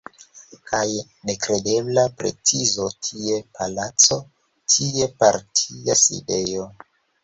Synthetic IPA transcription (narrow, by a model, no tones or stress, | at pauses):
kʰaj | ne̞kɾe̞de̞blapɾe̞̰t͡sizo̞tʰie̞pʰalat͡so̞ | tʰie̞paɾtʰiasḭde̞jo̞